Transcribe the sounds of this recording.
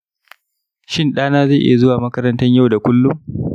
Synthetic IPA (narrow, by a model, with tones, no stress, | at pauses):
ʃɪ˦nɗaː˦naː˦za˦˨ʔɪ̰˦ja˨zʊ˦waː˨mɐ˦kɐ˦ɾɐ˦ntɐ˦ɲja˦wda˨kʷʊ˦lːʊ˦ŋ